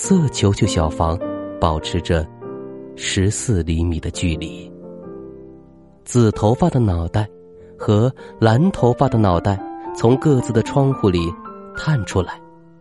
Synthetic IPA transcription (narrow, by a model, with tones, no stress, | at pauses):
sɤ˥˩t͡ɕʰjo˧˥ʊt͡ɕʰo˥˩ɕjɑ˨˩ʊfɑ˧˥ŋpɑ˨˩ʊʈ͡ʂʰɻ̩˧˥ʈ͡ʂə˧ | ʂɻ̩˧˥sɹ̩˥˩li˧˥mi˨˩d̪ə˦t͡ɕy˥˧li˨˩˦ | t͡sɹ̩˨˩t̪ʰo˧˥ʊfa˥˩d̪ə˩nɑ˨˩ʊt̪a˥˩ɪ | xɤ˧˥la˧˥nt̪ʰo˧˥ʊfa˥˩d̪ə˩nɑ˨˩ʊt̪a˥˩ɪt͡sʰʊ˧˥ŋkɤ˥˧t͡sɹ̩˥˩d̪ə˩ʈ͡ʂʰwɑ˥ŋxu˥˩li˨˩t̪ʰa˥˩nʈ͡ʂʰu˥la˧˥˦ɪ